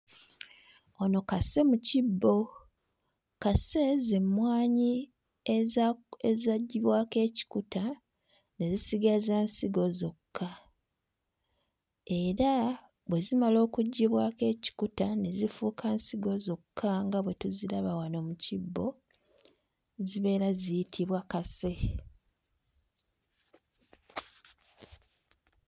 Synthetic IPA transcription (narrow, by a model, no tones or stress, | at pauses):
o̞no̞kase̞mucibːo̞ | kase̞zemwaːɲi | eezaɟːiβwake̞ːci̥kuta | ne̞zisiɡazaːnsiɡo̞zo̞kʰːa | e̞ɾa | βwe̞zimalo̞ːkuɟːiβwake̞ːci̥kutane̞zifuːkʰaːnsiɡo̞zo̞kʰːaŋɡaβwe̞tuzilaβawano̞mucibːo̞ | ziβe̞ːɾazijitʰiβwakase̞